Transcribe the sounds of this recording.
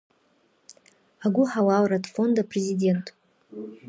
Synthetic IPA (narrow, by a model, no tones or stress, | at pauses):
aɡʷʊħawawɾatʰʼfo̞ndaprezidʲe̞ntʼ